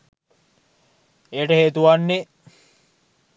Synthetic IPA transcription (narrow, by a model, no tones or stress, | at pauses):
eːʈɐheːt̪uʋanːe